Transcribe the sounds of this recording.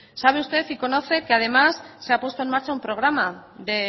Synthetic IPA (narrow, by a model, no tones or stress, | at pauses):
saβ̞eust̪e̞θiko̞no̞θe̞keað̞e̞masːe̞apwe̞st̪oe̞nmaɾt͡ʃaumpɾo̞ɣ̞ɾamaðe